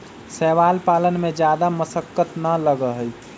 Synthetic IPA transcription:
sɛːʋalpaːlənmẽd͡ʒjaːd̪aməsəkːət̪nələɡəɦəj

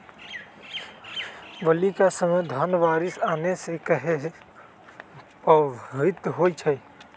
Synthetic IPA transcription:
ʋəlikasəməd̪ʱənʋaːɾɪsaːnesekəɦe | pəɪt̪ɦoit͡ʃʰɛ

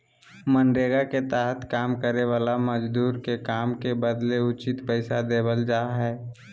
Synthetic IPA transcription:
mənɖeːɡaket̪aːɦət̪kaːmkəɾeʋaːlaməd͡ʒd̪uːɾkekaːmkebəd̪leʊt͡ʃɪt̪pəɪsad̪eːbəld͡ʒaːɦɛː

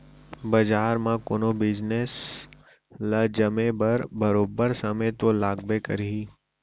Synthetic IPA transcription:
bəd͡ʒaːɾmãkonobɪd͡ʒnes | lad͡ʒəmẽbəɾbɐɾoːbəɾsəmẽt̪olaːɡbekəɾiɦi

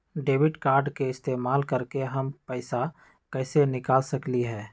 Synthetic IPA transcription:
ɖeːʋɪɖkaːɾɖkeɪst̪eːmaːlkəɾkeɦɐmpɛːɪsa | kɛːsenɪkaːlsɐkliɦɛː

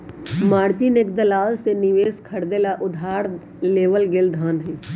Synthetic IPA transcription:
maːɾt͡ʃinekd̪əlaːlsenɪʋeːskʰəɽd̪elaʔʊd̪ʱaːɾ | leːʋəlɡɪld̪ʱaːnɦɛː

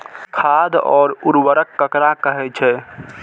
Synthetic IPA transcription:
kʰad̪ɔːɾuɾwəɾəkːəkɾakəɦɛt͡ʃʰɛ

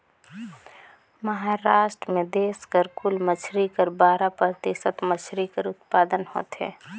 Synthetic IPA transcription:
məɦaːɾaːʃʈɾəmẽd̪eːskəɾkʊlmət͡ʃʰɾikəɾbaːɾapɾət̪isət̪mət͡ʃʰɾikəɾʊt̪paːd̪ənho̰ːt̪ɦɛ̰ː

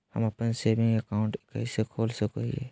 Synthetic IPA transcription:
hə̰mapənsebĩŋɡəkaʊ̃ɳʈka̰ɪsekʰolsəkoḭḛ

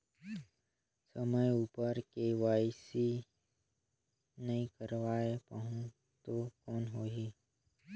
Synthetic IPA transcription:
səməjuːpəɾkeʋaːjsi | nɐɦĩkəɾʋaːepəɦũ | t̪okɔːnɦoːɦiː

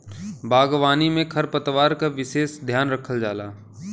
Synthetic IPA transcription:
baːɡʋaːnimẽkʰɐɾpət̪ʋaːɾkaʋɪʃeːsd̪ʱjaːnɾəkʰəld͡ʒaːlaː

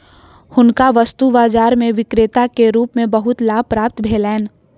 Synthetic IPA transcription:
hʊnkaʋəst̪ubaːd͡ʒaːɾmẽʋɪkɾeːt̪akeɾuːpmẽbəɦʊt̪laːb̚pɾaːp̚t̪bʱeːlɛːn

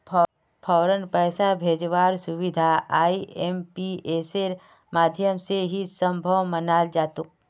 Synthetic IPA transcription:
pʰ | pʰɔːɾənpɛːsabʱeːd͡ʒʋaːɾsʊʋɪd̪ʱaaːieːmpieːseɾ | maːd̪ʱjəmseɦisə̃mbʱəwmənaːld͡ʒaːt̪uk̚

